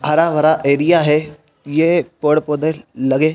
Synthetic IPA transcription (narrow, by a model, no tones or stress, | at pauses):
ɦɐɾaʋəɾaʔeːɾijaɦɛ | jepəɽpoːd̪elɐɡeː